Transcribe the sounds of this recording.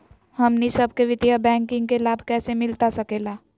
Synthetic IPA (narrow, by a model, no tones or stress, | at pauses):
hɐmnisɐb̚ʱkeʋɪt̪jabɛ̃ːŋkɪ̃ŋɡkelaːbʱkɛːsemɪlt̪asɐkeːlaː